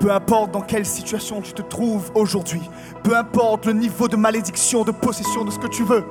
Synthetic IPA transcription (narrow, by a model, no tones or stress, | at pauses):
pøɛ̃pɔʁt̪̚d̪ɑ̃kʲɛlsit̪ɥasjɔ̃t̪y̥t̪ət̪χuvoʒuʁd̪ɥi | pøɛ̃pɔʁt̪lənivod̪əmaled̪iksjɔ̃d̪əpɔsesjɔ̃d̪əsə̥kət̪yvø